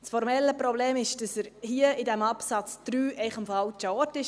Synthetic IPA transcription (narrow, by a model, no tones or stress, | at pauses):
sfɔɾmɛlːəpɾɔbleːmɪʃd̥ɑsəɾhiəɪdæmɑpsɑt͡sd̪̥ɾyːɛɪχəmfɑlt͡ʃɑːtɪʃ